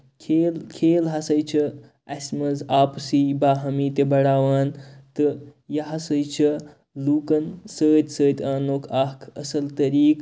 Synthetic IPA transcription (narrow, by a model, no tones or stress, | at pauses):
kʰeːlkʰeːlɦɐsɐjt͡ʃʰɐ | ɐsʲmɐzaːpsibaːɦɐmiːt̪ebɐɽaːʋaːnt̪ɨjɐɦɐsɐjt͡ʃʰɐ | luːkɐnsəːt̪ʲsəːt̪ʲaːnoːkʰakʰɐsɐlt̪ɐɾiːk